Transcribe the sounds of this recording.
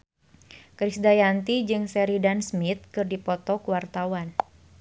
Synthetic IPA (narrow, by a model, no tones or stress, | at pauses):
kɾisdajant̪id͡ʒɨŋsɛɾidansmit̪̚kɨrdipɔt̪ɔkuwart̪awan